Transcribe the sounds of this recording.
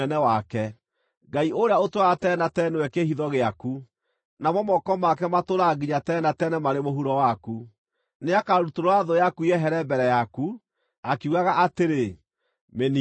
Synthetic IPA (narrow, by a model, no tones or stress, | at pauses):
ɛnɛwakɛ | ɡaiʔoɾeaotwaɣatɛːnatɛnɛwɛkehiðɔɣeaku | namɔmɔkɔmakɛmatoɾaɡiɲatɛːnatɛːnɛmaɾemoɦuɾɔwaku | neakaɾutoɾoaðojakuiɛɦɛɾɛbɛɾɛjaku | akeuɣaɣaʔateɾe | meni